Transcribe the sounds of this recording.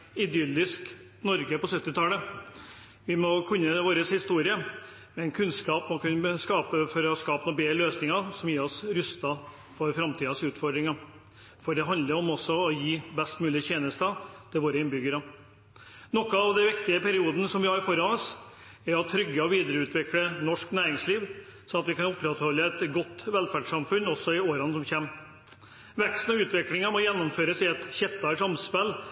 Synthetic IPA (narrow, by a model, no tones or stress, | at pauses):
ɪd̪ʏlːɪsk | nɔɾɡəpɔsœt̪ːɪt̪ʰɑːlə | ʋɪmɔkʰʉnːəʋoːɾəshɪst̪uːɾɪə | mɛnkʰʉnskɑːpmɔkʉnːəskɑːpəfɔɾɔskɑːpənuːbeːløːsnɪŋɑsɔmjiːɾɔsɾʉst̪ɑ | fɔɾfɾɑmt̪ʰiːɑsʉːt̪fɔɖɾɪŋɑ | fɔɖɛɦɑnd̪əɾɔmɔsːɔɔjiːbɛst̪mʉːlɪçeːnəst̪ɑt̪ʰɪlʋoːɾəɪnbʏɡəɾɑ | nɔkːəɑʋd̪ɛʋɪkt̪ɪəpʰæɾɪuːd̪ənəsɔmʋɪhɑɾɪfɔɾɑnɔs | ɛɾɑt̪ʰːɾʏɡːəɔʋiːd̪əɾəʉːt̪ʋɪklənɔʂknæːɾɪŋsliːʋ | sɔɑt̪ʋɪkɑnʊpːɾɛt̪hɔlːəɛt̪ɡɔt̪ːʋɛlfæɖʂɑmfʉnɔsːɔɪoːɾɑnsɔmçeːm | ʋɛkst̪n̩ɑʉːt̪ʋɪklɪŋɑmɔjɛnːɔmføːɾəsɪɛt̪çɛt̪ːɑʂɑmspɛlː